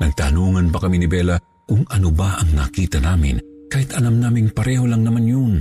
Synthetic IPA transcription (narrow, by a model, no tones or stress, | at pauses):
nɐɡ̚t̪anuːŋɐnpɐkɐminɪbɛːlɐ | kʊŋɐnobaʔɐŋna̰kiːt̪ɐnaːmɪ̰n | kaːhɪt̪ɐlamnaːmɪŋpɐɾɛːholɐŋnɐmanjon